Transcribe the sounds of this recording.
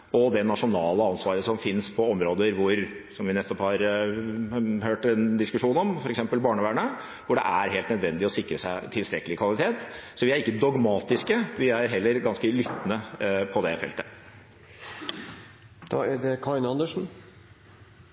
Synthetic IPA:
ɔd̪ɛnɑʂʊnɑːləɑnsʋɑːɾəsɔmfɪnspʰɔɔmɾoːd̪əɾʋʊɾsɔmʋɪnɛt̪ːɔphɑɾ | høːʈɛnd̪ɪskʉʂuːnɔmfɔɾɛksɛmpəlbɑːɳəʋæːɳə | ʋʊɖɛ̰ʔæɾɦeːlt̪nəd̪ʋɛnd̪ɪɔsɪkːɾəsæɪt̪ʰɪlst̪ɾɛkːəlɪkʰʋɑlˠɪt̪ʰeːt̪sɔʋɪæɾɪkːəd̪ɔɡmɑːt̪ɪskəʋɪæɾɦɛlːəɾɡɑnskəlʏt̪ːnəpʰɔd̪ɛfɛ̰lt̪ə | d̪̥ɑ̰ːæɖɛkʰɑɪnɑnd̪əʂn̩

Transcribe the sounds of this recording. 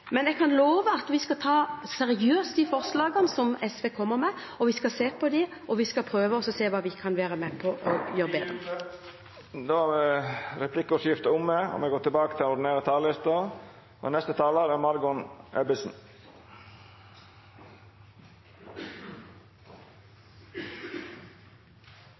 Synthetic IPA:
mɛnɛɡkʰɑnloːʋəɑt̪ʋɪskɑt̪ʰɑːsɛɾɪøːst̪d̪iːfɔʁslɑːɡənsɔmɛsʋeːkʰɔmːəʁmɛɔʋɪskɑseːpʰɔd̪ɪɔʋɪskɑpʰɾøːʋəɔsɔseːʋɑːʋɪkʰɑnʋæːɾəmɛpʰɔʔɔjøːʁəbeːd̪ʁə | d̪oːhɑʋɛɾɛpʰlɪkːʊʂɪft̪əʊmːeɔ̰mɛɡoːt̪ɪlbɑːkət̪ʰɪlɛʊɖ̪ɪn̩eːɾət̪ʰɑlɪst̪ə | ɔ̰nɛst̪ət̪ʰɑːləɾæmɑɾɡʊnʔɛbɪsn̩

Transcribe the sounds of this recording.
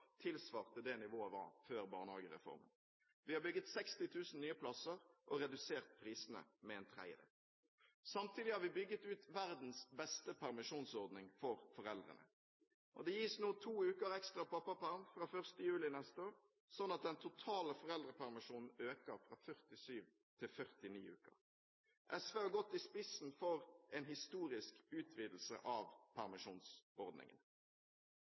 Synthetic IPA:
t̪ʰɪlsʋɑːʁt̪ʰɪld̪ɛnɪʋoːəʋɑ̰ʁføːʁbɑ̰ːnhɑ̰ːɡəʁɛ̰fɔ̰ʁmə̰n | ʋɪhɑbʏɡət̪sɛkst̪ɪt̪ʰʉːsn̩nyːəpʰlɑsəʁʔɔɾɛd̪ʉseːʁt̪̚pʰʁiːsənə̰mɛɛnt̪ʰʁæ̰ɪə̰d̪ə̰ | sɑmt̪ʰiːd̪ɪhɑːɾʋɪbʏɡːət̪ʉːt̪ʋæʁd̪n̩sbɛst̪əpʰæʁmɪʂuːnsɔʁd̪nɪŋfɔʁfɔʁɛld̪ʁə̰nə̰ | ʔɔ̰d̪ɛjiːsnuːt̪ʰuːʉːkəɾɛkst̪ʁɑpʰɑpːɑpʰæʁmfʁɑːfœʁst̪əjʉːlɪnɛst̪əoːɾ | sɔnːɑt̪̚d̪ɛnt̪ʰʊt̪ʰɑːləfɔʁɛld̪ʁəpʰæʁmɪʂuːnn̩øːkəʁfɾɑːfœʁt̪ɪsyːʋ | t̪ʰɪlfœʁt̪ɪnḭːʉ̰ːkə̰ʁ | ʔɛsʋeːhɑɡɔt̪ːɪspɪsn̩fɔʁɛːnɦɪst̪uːɾɪskʉːt̪ʰʋiːd̪l̩sə̰ʔɑʋpʰæʁmɪʂṵːnsɔʁd̪nɪ̰ŋə̰n

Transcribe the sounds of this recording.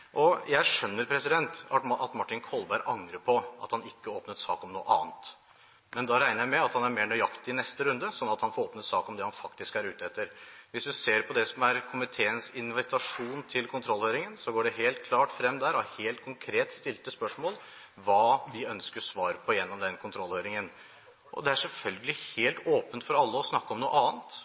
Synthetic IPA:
ʔɔjæɪʂœnːəɾpʰɾɛsɪd̪ɛnt̪ɑɑt̪mɑʈːɪnkʰɔlbæɪɾʔɑŋɾəpʰɔʔɑ̰t̪hɑnɪkːəoːpnət̪sɑ̰ːkɔmnṵːə̰ʔɑ̰ːnt̪ | mɛnd̪ɑɾæɪnəjæɪmɛɑt̪hɑnæɾmeːɳɔjɑkt̪ɪɪnɛst̪əɾʉnd̪əsɔnːɑt̪hɑnfɔɾoːpnət̪sɑːkɔmd̪ɛhɑnfɑkt̪ɪskæɾʉːt̪əɛt̪ːəɾʋɪsd̪ʉseːɾpʰɔd̪ɛsɔmæɾkʰʊmɪt̪ʰeːənsɪnʋɪt̪ʰɑʂuːnt̪ʰɪlkʰʊnt̪ʰɾɔlhøːɾɪŋənsɔɡoːɖɛɦeːlt̪̚kʰlɑːʈfɾɛmːd̪æːɾɔæheːlt̪̚kʰʊŋkʰɾeːt̪st̪ɪlt̪əspœʂmoːl | ʋɑːʋɪœnskəsʋɑːɾəpʰɔjɛnːɔmd̪ɛnkʰʊnt̪ʰɾɔlːhøːɾɪŋən | ʔɔ̰d̪ɛæʂɛlfœlɡəlɪheːlt̪oːpənt̪fɔɾɑlːəɔsnɑkːəɔmnuːəʔɑːnt̪

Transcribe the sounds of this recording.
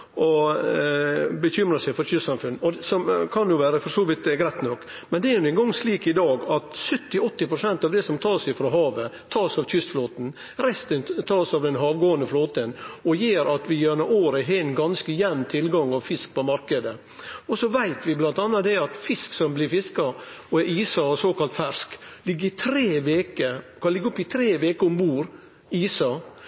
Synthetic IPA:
ɔ | bəçʏmɾəsæɪfɔɾçʏst̪sɑmfʉnːɔsɔmkʰɑnjʊʋæːɾəfɔʂoːʋɪt̪ɡɾæɪt̪nɔkː | mɛnd̪ɛɛɾnʊɛŋɡɔŋːsliːkɪd̪ɑːɡɑt̪sœt̪ːɪɔt̪ːɪpɾʊsɛnt̪ɑʋd̪ɛsɔmt̪ʰɑːsɛfɾoɦɑːʋət̪ʰɑːsɑʋçʏst̪floːt̪n̩ | ɾɛst̪ənt̪ʰɑːsɑʋd̪ɛnɦɑːʋɡoːənd̪əfloːt̪ənɔjeːɾɑt̪ʋɪjønəʔoːɾəɦɛnɡɑnskəjɛnnt̪ʰɪlɡɑŋɑʋfɪsk̚pʰɔmɑɾkəd̪ə | ɔsɔʋæɪt̪ʋɪblɑnt̪ɑnːɑt̪d̪ɛɑt̪fɪsksɔmblɪɾfɪskɑɔɛʔiːsɑsoːkɑlt̪fæʂklɪɡːəɾɪt̪ʰɾeːʋeːkəkʰɑnlɪɡːəʊpːɪt̪ʰɾeːʋeːkəɔmbuːɾ | iːsɑ

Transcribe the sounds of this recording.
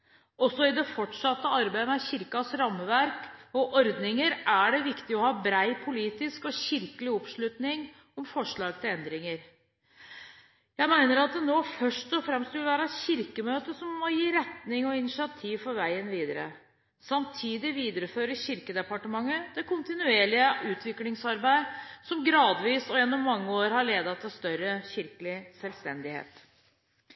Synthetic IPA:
ɔsːɔɪd̪ɛfɔʈːʂɑt̪ːəɑɾbæɪmɛçɪɾkɑsɾɑmːəʋæɾkɔʔɔɾd̪nɪŋəɾʔæɖɛʋɪkt̪ɪɔhɑːbɾæɪpʰʊliːt̪ɪskɔçɪɾkəlɪɔpʂɭʉːt̪nɪŋ | ɔmfɔʂɭɑːɡ̚t̪ʰɪlɛnd̪ɾɪŋəɾ | jæɪmæɪnəɾɑt̪̚d̪ɛnoːfœʂʈɔfɾɛmst̪ʋɪlʋæːɾɑɛt̪çɪɾkəmøːt̪əsɔmːɔjiːɾɛt̪nɪŋɔɪnɪʂɪɑt̪ʰiːʋfɔɾʋæɪənʋiːd̪əɾə̰ | sɑmt̪ʰiːd̪ɪʋiːd̪əɾəføːɾəɕɪɾkəd̪ɛpɑʈəmɑŋːəd̪̥ɛkʊnt̪ɪnʉeːɭɪəʔʉːt̪ʰʋɪklɪŋsɑɾbæɪsɔmɡɾɑːd̪ʋiːsɔjɛnːɔmːɑŋːəoːɾhɑɭeːd̪ɑt̪ʰːɪlst̪œɾəçɪɾkəlɪsɛlst̪ɛnd̪ɪhḛːt̪

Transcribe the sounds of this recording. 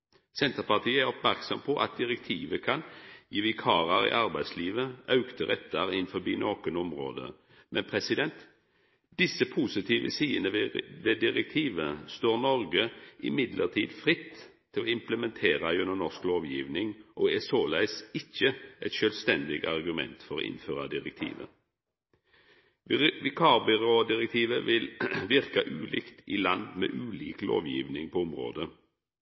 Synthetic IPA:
sɛnt̪əʁpɑʁt̪ʰiːəæɾʁɔpmæʁksɔmpʰɔʔɑ̰t̪̚d̪ɪʁɛkt̪ʰiːʋəkʰɑnjiːʋɪkʰɑːʁəɾɪ̰ʔɑʁbæɪsliːʋəɑʉkt̪əʁɛt̪ːəɾɪnfɔbiːnoːkənɔmʁo̰ːd̪ə̰ | mʔɛnpʰʁɛsɪd̪ɛnt̪ | d̪̥ɪsːəpʰusɪt̪ʰiːʋə̰siːənəʋɛd̪ɪʁɛk̚t̪ʰiːʋəst̪oːʁnɔʁɡəʔɪ̰mɪd̪lʔə̰ʁt̪ʰḭːd̪fʁɪt̪ʰː | ɪloːɪmpləmɛnt̪ʰeːʁɑjʉnənɔskloːʋjiːʋnɪŋʔoːɛsoːlæɪsɪçəʔɛt̪ʃœːlst̪ɛnd̪ɪɡɑʁɡʉmɛ̰nt̪fɔʁo̰ːʔɪ̰nføːʁɑd̪ɪʁɛk̚t̪ʰḭːʋə̰ | ʋɪkʰɑːbɪʁoːd̪ɪʁɛk̚t̪ʰiːʋəʋɪlʋɪʁkɑʔʉːlʔɪ̰kt̪ɪlɑnd̪mḛːʔʉːliːklo̰ːʋjḭːʋnɪŋpʰɔʊmʁo̰ːd̪ə

